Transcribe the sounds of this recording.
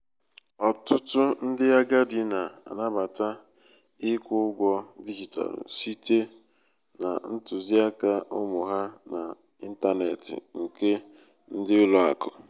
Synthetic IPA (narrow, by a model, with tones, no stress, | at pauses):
ɔ˨tʊ˦tʊ˦n̩˦dɪ˦a˦ɡa˦dɪ˦na˨a̰˨na˦ba˨ta˦ | ɪ˦kʷʊ˦ɡʷɔ˦di˦d͡ʒi˨ta̰˨l̰si˦te˦ | na̰˨n̩˦tʊ˨zi˦a˦ka˦ʔʊ˦mʊ˨ɦa˦na̰˨ | i˦n̩˦ta˦nḛ˨tɪ̰˨ŋ̩˨ke˦ | n̩˦dɪ˦ʊ˦lɔ˨a̰˨kʊ˨